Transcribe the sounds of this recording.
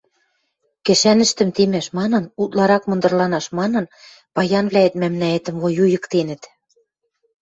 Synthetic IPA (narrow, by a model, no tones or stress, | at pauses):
kɘ̆ʃænɘ̆ʃt̪ɘ̆mt̪emæʃmɑnɤ̆nut̪lɑɾɑkmɤ̆nd̪ɤ̆rlɑnɑʃmɑnɤ̆n | pɑjɑnβlæet̪mæmnæet̪ə̆mβojujɤ̆kt̪enɘ̆t̪